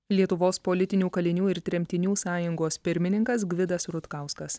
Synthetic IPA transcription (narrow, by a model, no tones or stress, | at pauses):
lʲiɛt̪ʊʋoːspolʲɪt̪ʲɪnʲuːkɐlʲɪnʲuːɪɾt̪ʲɾʲɛmʲt̪ʲɪnʲuːsɑːjʊŋɡoːspʲɪɾʲmʲɪnʲɪŋkɐsɡʋʲɪd̪ɐsɾʊt̪kɑˑʊskɐs